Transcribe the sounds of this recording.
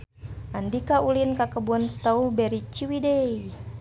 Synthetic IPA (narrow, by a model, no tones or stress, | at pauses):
ʔandikaulinkakəbuanst̪aubɛɾit͡ʃiwidɛi